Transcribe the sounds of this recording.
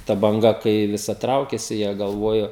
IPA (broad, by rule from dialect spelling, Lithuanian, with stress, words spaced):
tɐ bɐŋˈɡɐ kɐɪ ʋʲɪˈsɐ ˈtrɐʊkʲeːsʲɪ jiɛ ɡɐlˠˈʋoːjoː